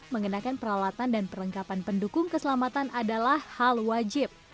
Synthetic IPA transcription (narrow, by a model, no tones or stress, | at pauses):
məŋənakanpəɾawat̪andanpəɾəŋkapanpəndukʊŋkəsəlamat̪anʔadalahhalwad͡ʒɪp̚